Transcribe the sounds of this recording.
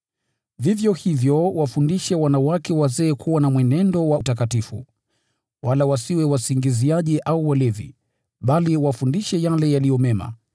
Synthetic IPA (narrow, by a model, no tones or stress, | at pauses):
vivjɔhivjɔwafundiʃɛwanawakɛwazɛːkʰuwanamwɛnɛndɔwautakatifṵ | walawasiwɛwasiŋɡiziaʄiʔauwalɛðḭ | ɓaliwafundiʃɛjalɛjalijɔmɛma̰